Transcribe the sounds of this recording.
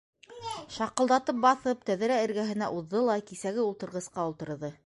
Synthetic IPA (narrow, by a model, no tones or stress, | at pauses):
ʃɑqɤ̆lˠd̪ɑt̪ɤp̚bɑθɤp̚t̪æðɘ̆ɾæɘ̆ɾɡæɦɘ̆næʔuðːɤlˠɑkisæɡɘulˠt̪ɤ̆ɾʁɤ̆sqɑulˠt̪ɤ̆ɾðɤ